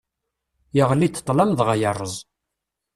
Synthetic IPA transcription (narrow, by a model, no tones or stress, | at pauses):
jəʁənit͡s̪ːə̥t̪ˤːlɑmðʁajərˤːəzˤ